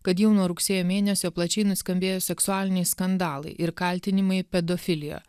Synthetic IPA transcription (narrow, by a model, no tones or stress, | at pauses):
kɐt̪jɛʊnoːɾʊksʲeːjoːmʲeːnʲɛsʲoːplˠɐt͡ʃʲɛɪnʊsʲkɐmʲbʲeːjoːsʲɛksʊɑːlʲɪnʲɛɪskɐnd̪ɑːlˠɐɪʔɪɾkɐlʲt̪ʲɪnʲɪmɐɪpʲɛd̪ofʲɪlʲɪjo̰ː